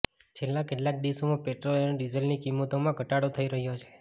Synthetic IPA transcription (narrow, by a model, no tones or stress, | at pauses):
t͡ʃʰelːãkeʈlak̚d̪iʋʃomãpeʈɾolnɖizəlnikimːot̪omãɡʱəʈaɽot̪ʰəiɾəɦjot͡ʃʰe̥